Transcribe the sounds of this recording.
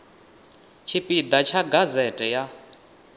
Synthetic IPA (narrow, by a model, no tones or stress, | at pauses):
t͡ʃʰipʼid̪at͡ʃʰaɡazɛtʼɛja